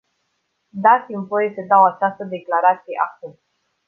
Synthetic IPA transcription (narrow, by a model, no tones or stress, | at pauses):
d̪at̪sʲimvo̞je̞səd̪awat͡ʃast̪əd̪e̞klaɾat̪sijḛʔakum